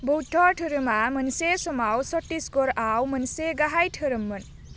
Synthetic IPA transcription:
bɔwtʰɔʈʰɯɾɯmamənsesɔmawsɔʈːisɡɔɾawmənseɡaɦajʈʰɯɾɯmːɯn

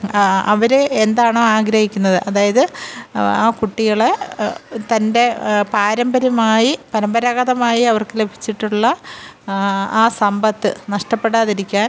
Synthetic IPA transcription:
ɐ̰ʋɐɾeend̪aːɳoːaːɡɾɐhikʲːunːɐðɨʔɐðaːjɐðɨ | aːkuʈːiɣɐɭe | t̪ɐnde̞paːɾɐmbɐɾɐmaːjipɐɾɐmbɐɾaɣɐðɐmaːjiɐʋɐrkɨle̞bʱi̥t͡ɕːiʈːuɭːɐ | aːsɐmbɐt̪ːɨnɐʂʈɐpːe̞ɽaːðiɾikʲːaːn

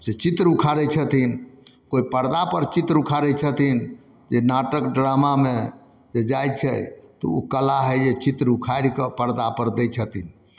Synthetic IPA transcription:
set͡ʃit̪ɾukʰaɾɛt͡ʃʰət̪in | koipəɾd̪apəɾt͡ʃit̪ɾukʰaɾɛt͡ʃʰət̪in | d͡ʒenaʈəkɖɾamame | d͡ʒed͡ʒajt͡ʃʰɛ̰t̪ɔ̰ṵkəlaɦɛd͡ʒet͡ʃit̪ɾukʰaɾikəpəɾd̪apəɾd̪ɛt͡ʃʰət̪in

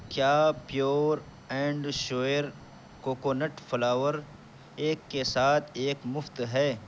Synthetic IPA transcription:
kjaːpjoːɾ | ɛ̃ːɳɖʃoːɾ | koːkoːnɐʈfɐlaːwəɾ | eːkːesaːt̪ʰeːkmʊft̪ɦɛː

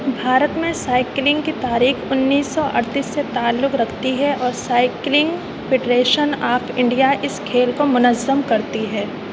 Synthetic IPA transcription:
bʱaːɾət̪mẽsaːɪklɪ̃ŋɡkit̪aːɾiːxʊnːiːsːɔʔɐ̰ɾt̪iːsːet̪aːlːʊkɾɐkʰt̪iɦɛʔɔːɾsaːɪklɪ̃ŋɡ | fʰɪɖɾeːʃənaːpʰɪ̃ɳɖijaʔɪskʰeːlkomʊnəzəmkɐɾt̪iɦɛː

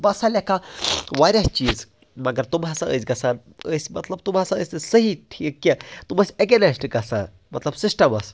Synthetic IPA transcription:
bɐsalʲekaʋaːɾʲɐst͡ʃiːz | mɐɡɐɾt̪umɦasaə̰sɡɐsaːn | əsmɐt̪lɐb̚t̪umɦaːsãəsʲɨsɐɦiʈʰikːet̪umɐsʲeɡenɐsʈiɡɐsã̰ | mɐt̪lɐbsisʈɐmɐs

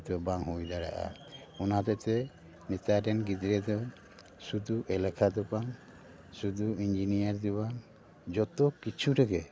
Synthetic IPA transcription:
d̪ɔbaŋɦujd̪aɽa̰ʔa̰ɔnat̪ɛt̪ɛ | nit̪aɖɛnɡid̪ɾɛd̪ɔ | sud̪uʔɛlɛkʰad̪ɔpaŋ | sud̪uiɲd͡ʒinijaɾd̪ibaŋ | d͡ʒɔt̪ɔkit͡ʃʰuʈɛɡɛ

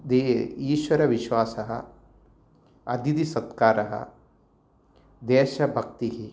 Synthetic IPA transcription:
d̪eːiːʃwɐɾɐʋiʃwaːsɐɦɐ̰ | ɐd̪id̪isɐt̪kaːɾɐɦɐ̰ | d̪eːʃɐbʱɐk̚t̪iɦi

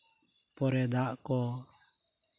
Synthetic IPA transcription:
pɔɾɛd̪aʔkɔ

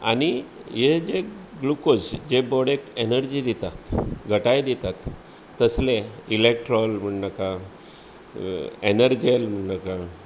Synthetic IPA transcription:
a̰nijed͡ʑeɡlukosd͡ʑebɔɽekenəɾd͡ʑiːd̪it̪at̪ɡʱəʈajd̪it̪at̪ː | əsleilek̚ʈɾɔlm̤əɳnaka | enəɾd͡ʑelm̤əɳnaka

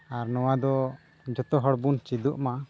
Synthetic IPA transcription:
aɾnɔwad̪ɔ | d͡ʒɔt̪ɔɦɔɽbunt͡ʃid̪uʔma

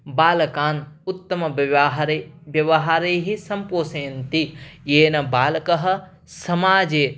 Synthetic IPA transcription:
baːlɐkaːnʊt̪ːɐmɐʋɦɾeʋjɐʋɐɦaːɾeːɦisɐmpoːseːnt̪ijeːnɐbaːlɐkɐɦɐ̆ | sɐmaːd͡ʒeː

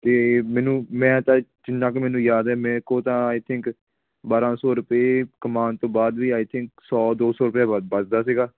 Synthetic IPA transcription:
t̪eːmɛːnũːmɛ̃ːt̪ãːd͡ʒɪnːãːkemɛ̃ːnũːjaːd̪ɛːmɛ̃ːkoːt̪ãːaːit̪ʰɪ̃ŋk | baːɾãːsɔːɾʊpeːkəmaːnt̪õːbaːd̪ʋiːaːjt̪ʰɪ̃ŋksɔːd̪oːsɔːɾʊpjaːbəsd̪aːs̬iːɡaː

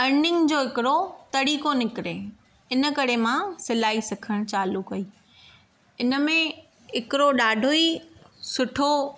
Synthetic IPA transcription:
ɐnɪ̃ŋɡd͡ʑoːɪkɪɾot̪ɐɽiːkonɪkɪɾe | ɪnə̆kɐɾemãsɪlaːisɐkʰəɽ̃t͡ɕaːlukɐiː | ɪnə̆mẽ | ɪkɪɾoɗaːɖʱoisʊʈʰo

